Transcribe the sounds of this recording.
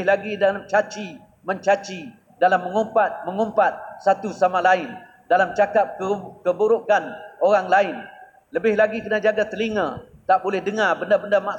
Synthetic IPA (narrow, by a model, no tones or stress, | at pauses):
ɦlaɡidalamt͡ʃat͡ʃi | məɲt͡ʃat͡ʃi | dalamːəŋompat̪̚məŋompat̪̚sat̪usamalaɪn | dalamt͡ʃakap̚kəkəbuɾokanoɾaŋlaɪn | ləbɪhlaɡikənad͡ʒaɡat̪əliŋãt̪aʔbolɛhdəŋabəndabəndama